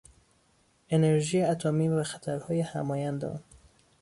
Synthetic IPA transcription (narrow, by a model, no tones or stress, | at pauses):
e̞neɾʒiːjeæt̪ʰomiːvæxæt̪ʰæɾhɒːjehæmɒːjænd̪ḛɒ̰n